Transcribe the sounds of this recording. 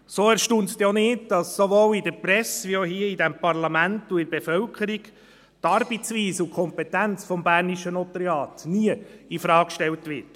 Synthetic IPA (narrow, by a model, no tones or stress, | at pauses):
soːæɾʃtuntstɛɔnɪːtd̥ɑsːoʋoːlidəɾpɾɛsʋioɦiəidɛmpɑɾlɑmæntuɪbefœlkʰəɾiɡ | tɑɾbit͡sʋiːsʊkʰɔmpetænt͡sfɔmbæːɾniʃənɔtəɾeɑːtniəifɾɑːkkʃtɛltʋɪt